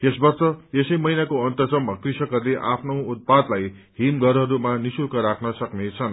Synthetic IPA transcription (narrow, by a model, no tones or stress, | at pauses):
esbʌrt͡sʌesʌjmʌijnakoʌnt̪ʌt͡sʌmʌkrisʌkʌrleʔapʰnowut̪̚pad̪laj | ɦimɡʌɾʌɾumanisukʌɾakʰnʌsʌknet͡sʰʌn